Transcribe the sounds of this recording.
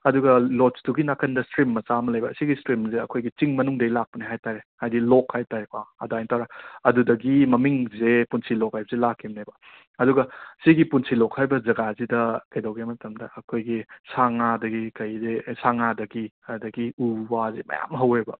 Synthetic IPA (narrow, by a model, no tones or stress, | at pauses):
ɐduɡɐlɔtsduɡinakʰɐndɐstɾimːɐt͡ʃamɐlɐjbɐsiɡistɾimzeɐ̰kʰojɡit͡ʃiŋmɐnuŋdɐilak̚pɐniɦajtaɾehajdilɔkhajtaɾekwaɐ̰dajntawɾaɐdudɐɡimɐmiŋzepunsilɔk̚hajbɐzelakʰːimnajbɐ | ɐduɡɐsiɡipunsilɔkhajbɐzɐɡazidɐkɐjdɐwɡemɐtʰɐmdɐɐkʰojɡisaŋadɐɡikɐjzesaŋadɐɡi | adɐɡiuwazemɐ̰ja̰mɦɐwebɐ̰